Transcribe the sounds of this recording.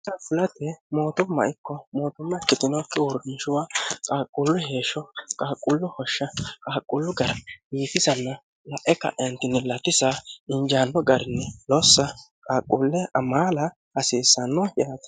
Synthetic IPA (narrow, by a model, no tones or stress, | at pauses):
t̪ɐfʊlɐt̪ɛmo̞ːt̪ʊmːɐ̰ɪkːɔmoːt̪ʊmːɐkːɪt̪ɪnɔkːɛwɔɾnɪʃʊwaːkʼaːkʼːʊlːʊhe̞ːʃɔkʼaːkʼːʊlːʊhɔʃːɐkʼaːkʼːʊlːʊɡɐɾɐiːfɪsɐnːɐ | lɐʔɛkːɐ̰ʔɛɐnt̪ɪnɛlɐt̪ːɪsaɪnd͡ʒaːnːɔɡɐɾɪnːɛlɔsːɐ | kʼaːkʼːulːɛʔɐmaːlɐ | ɐsiːsːɐnːɔjaːt̪ɐ̥